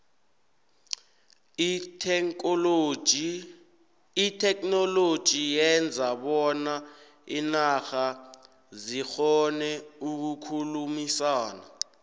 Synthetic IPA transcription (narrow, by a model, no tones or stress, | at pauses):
itʰɛknɔlod̥ʒ̥ʱijɛnd͡zʱaɓɔna | inaxa | zixɔnɛuk̬ukʰulumisaːna̰